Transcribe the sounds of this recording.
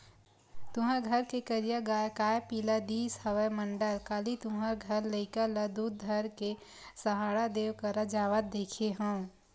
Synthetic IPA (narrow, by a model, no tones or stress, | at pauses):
t̪ʊɦə̃ɡʱəɾkekəɾijaɡaːjkaːjpiːlad̪iːshəʋəmə̃ɳɖəlkaːlit̪ʊɦãɡʱəɾləɪkaləd̪uːd̪̚d̪ʱəɾke | səɦaːɽad̪eːwkəɾad͡ʒaːʋət̪̚d̪eːkʰeɦə̃